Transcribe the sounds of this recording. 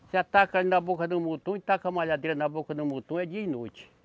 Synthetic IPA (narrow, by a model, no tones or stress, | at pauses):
seat̪akalinabokɐd̪ũmut̪ũit̪akamaʎad̪eɾɐnabokɐd̪ũmut̪ũɛd͡ʒiɐinot͡ʃi̥